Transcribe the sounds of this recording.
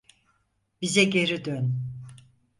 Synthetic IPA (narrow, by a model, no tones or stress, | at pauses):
b̥izɛɟe̞ɾid̪øn